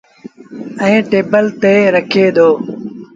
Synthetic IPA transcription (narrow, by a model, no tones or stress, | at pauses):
ə̃ːʈeːbəlt̪eːɾəkʰeːd̪oː